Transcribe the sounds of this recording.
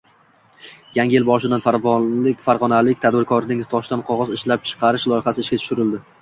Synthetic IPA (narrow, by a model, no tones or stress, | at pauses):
jaŋʲɪjɪlbɒʃɪd̪anfaɾvɪkʲfaɾʁɒnalɪkʲt̪ʰad̪bɪɾkʰɒɾnɪŋt̪ʰɒʃd̪anqʰɒʁɒzɪʃlap̚t͡ʃʰɨ̥qʰɑɾɪʃlˠɒjɪχasɪʃkʲat̪ʰʊ̥ʃʊɾɪld̪ɪ